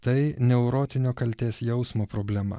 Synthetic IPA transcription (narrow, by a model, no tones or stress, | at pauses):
t̪ɐɪnʲɛʊɾoːt̪ʲɪnʲoːkɐlʲt̪ʲeːsjɛʊsmoːpɾoːbʲlʲæmɐ̰